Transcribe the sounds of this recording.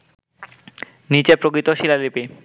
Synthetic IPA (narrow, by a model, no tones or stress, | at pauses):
nit͡ɕepɾokɾit̪oʃilalipi